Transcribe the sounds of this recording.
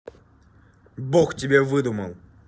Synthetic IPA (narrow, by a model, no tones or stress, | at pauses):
boxtʲɪbʲevɨd̪uməlˠ